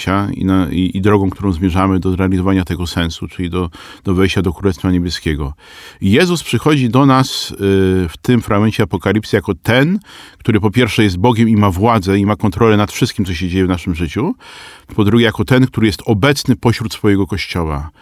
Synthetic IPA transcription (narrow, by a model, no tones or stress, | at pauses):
aḭnaid̪ɾɔɡɔ̃w̃kt̪uɾɔ̃w̃zmʲjɛʐamɘd̪ɔzɾɛalʲizɔvaɲat̪ɛɡɔsɛnsut͡ʂɘlʲid̪ɔd̪̥ɔvɛjɕt͡ɕad̪ɔkɾulɛst̪faɲebʲjɛskʲɛɡɔ | jɛzuspʂɘxɔd͡ʑid̪ɔnas | ft̪ɘmfɾaɡmɛɲt͡ɕɛapɔkalʲipsɘjakɔt̪ɛnkt̪uɾɘpɔpʲjɛɾfʂɛjɛs̬t̪̚bɔɡʲɛmimavwad̪zɛimakɔnt̪ɾɔlɛnat̪fʂɘst̪kʲimtsɔɕ̬ed͡ʑejɛvnaʂɘmʐɘt͡ɕupɔd̪ɾuɡʲɛjakɔt̪ɛnk̚t̪uɾɘjɛst̪ɔbɛt̪snɘpɔɕɾut̪sfɔjɛɡɔkɔɕt͡ɕɔwa̰